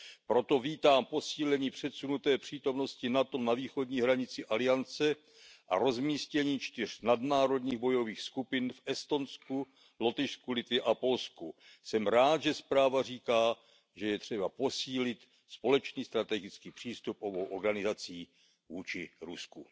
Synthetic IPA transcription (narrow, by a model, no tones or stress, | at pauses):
pɾo̞t̪o̞viːt̪aːmpo̞siːlɛɲiːpr̝̥ɛt̪sunut̪ɛːpr̝̥iːt̪o̞mno̞scɪnat̪o̞naviːxo̞dɲiːɦɾaɲɪt͡sɪʔalɪjant͡sɛ | ʔa̰ɾo̞zmiːscɛɲiːt͡ʃt̪ɪr̝̥nadnaːɾo̞dɲiːɣbo̞jo̞viːxskupɪnfʔɛst̪o̞nsku | lo̞t̪ɪʃskulɪt̪vɪʔapo̞lsku | sɛmɾaːt̪ʒɛspɾaːvar̝iːkaː | ʒɛjɛt̪r̝̥ɛbapo̞siːlɪt̪ | spo̞lɛt͡ʃniːst̪ɾat̪ɛɡɪt͡skiːpr̥iːst̪up̚ʔo̞bowʔoɾɡanɪzat͡siː | vuːt͡ʃɪɾṵsku